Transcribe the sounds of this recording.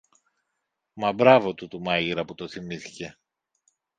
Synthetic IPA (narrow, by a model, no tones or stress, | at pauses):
mɐbɾɐvo̞t̪ut̪umɐʝiɾɐput̪o̞θimiθi̥ce̞